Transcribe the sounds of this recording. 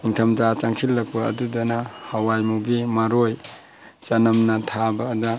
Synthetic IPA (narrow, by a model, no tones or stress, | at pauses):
iŋtʰɐmd͡ʒat͡ʃaŋsʰilːɐk̚pɐ̰ːdudɐnɐhawajmubimaɾoj | t͡ʃɐnɐmnɐtʰabɐːdɐ